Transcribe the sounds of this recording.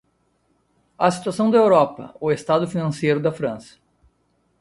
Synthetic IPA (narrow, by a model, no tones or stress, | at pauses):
ɐsi̥t̪uasɐ̃w̃d̪ɐewɾɔpɐ̰ʊest̪ad̪ʊfinɐ̃sejɾʊd̪ɐfɾɐ̰̃sɐ̥